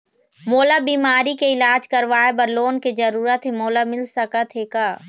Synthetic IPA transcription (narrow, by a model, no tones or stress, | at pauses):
moːlabiːmaːɾikeɪlaːd͡ʒkɐɾʋaːebɐɾloːnked͡ʒɐɾuːɾət̪ɦemoːlamɪlsɐkat̪ɦeːkaː